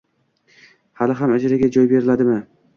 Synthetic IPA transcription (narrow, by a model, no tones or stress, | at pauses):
halɪɦamad͡ʒaɾaɡʲad͡ʒɒjbe̞ɾɪlad̪ɪmɪ